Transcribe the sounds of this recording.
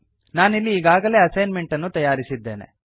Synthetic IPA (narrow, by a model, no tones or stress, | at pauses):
naːnilːiːɡaːɡɐle̞ːɐsɐjnme̞ɳʈɐnːut̪ɐjaːɾisid̪ːe̞̰ːnḛ